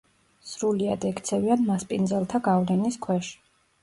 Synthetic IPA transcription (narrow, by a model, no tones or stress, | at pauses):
sɾuliad̪ɛkt̪sʰɛvianmaspʼind̪zɛlˠt̪ʰaɡavlɛniskʰwɛʃi̥